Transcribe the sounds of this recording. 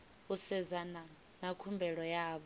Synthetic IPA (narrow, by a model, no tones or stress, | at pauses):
usɛzana | nakʰumbʱɛɺɔjaːɓɔ